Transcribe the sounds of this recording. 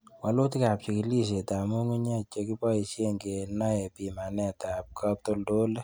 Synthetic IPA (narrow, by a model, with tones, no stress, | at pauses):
wa˨lo˦ti˦ka˨p̚t͡ʃi˨ki˨li˦ʃ̬e˨ta˨mu˦ŋu˦ɲa˦t͡ʃe˧ki˦pɔ˦i˨ʃje˦ŋɡe˨na˦jɛ˨pi˨ma˨nɛ˦ta˨p̚kʰa˦p̚to˦ldo˦le˦